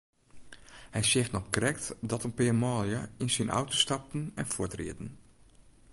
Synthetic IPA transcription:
hɛjsɪxtnɔpkrɛktdɔtənpɪːmɔːljəinsinʔa̰wtostɑp̚tn̩ɛnfʊtrḭədn̩

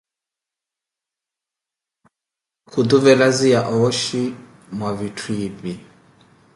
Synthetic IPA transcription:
kʰud̪uvɛlazijaʔɔɔʃi | mwavitʰwiβi

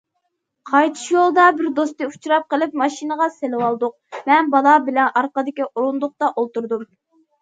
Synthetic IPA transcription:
qʰɑjt̪ʰɨ̥ʃjolˠd̪ɑbɪɾd̪ost̪ɨu̥t͡ʃʰɾɑp̚qəlˠɪpmɑʃinəʁɑselɪwɑlˠd̪ʊq̚ | mɛnbɑlˠɑbɪlɛnʔɑɾqəd̪ɪkʲiʔoɾund̪ʊq̚t̪ɑʔolˠt̪uɾd̪um

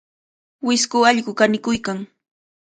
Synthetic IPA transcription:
wɪskʊɑʎɢʊkanɪkʊjkaŋ

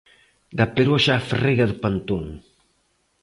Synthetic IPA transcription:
d̪apeɾoʃaːfreɣaðʊpant̪oŋ

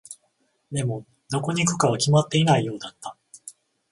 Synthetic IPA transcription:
d̪e̞mo̞ | d̪o̞ko̞ɲ̟ikɯ̟̥kaβ̞akʲimat̪ːe̞inaijo̞ːd̪at̪ːḁ

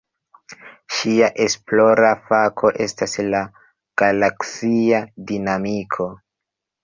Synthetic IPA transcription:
ʃiaʔe̞sploɾafakʰo̞ʔe̞stasla | ɡ̥alaksiadinamikʰo̞

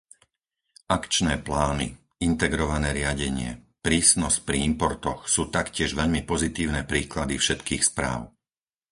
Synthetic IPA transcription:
ʔakt͡ʃnɛːplaːnḭ | int̪ɛɡɾɔʋanɛːɾɪaɟɛɲɪɛ̰ | pɾiːsnɔsc̚pɾiimpɔɾt̪ɔxsuːt̪akcɪɛʒʋɛʎmipɔzit̪iːʊnɛpɾiːklad̪ifʃɛt̪kiːxspɾa̰ːʊ

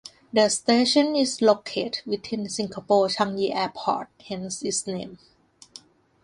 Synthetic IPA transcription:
dəsteʃə̃nislokʰetwit̪ʰĩnsĩŋkʰapɔːt͡ʃʰãŋjiʔɛpʰɔ̰t̚hɛ̃nsisnḛ̃ːm

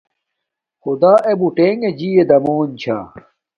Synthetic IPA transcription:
xud̪aːʔebuʈeːŋɡed͡ʑied̪ɐmoːnt͡ɕʰa̰ː

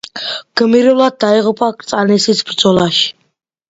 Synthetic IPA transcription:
ɡ̥əmiɾɔlat̪̚d̪aiʁupʰʼakʼt͡sʼanisisbrt͡sʼɔlaʃ

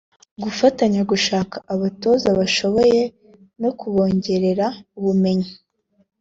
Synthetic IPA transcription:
ɡufataɲaɡuʃaːkaʔːβato̞ːzaβaʃo̞βo̞je̞ | nokuβo̞ːɲɟe̞ɾe̞ɾauβume̞ɲi

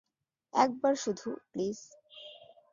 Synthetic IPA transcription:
ɛk̚baɾʃud̪ʱupliz̥

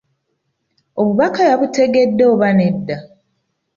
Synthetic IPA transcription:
o̞βuβakajaβute̞ɡe̞dːeoβane̞dːa

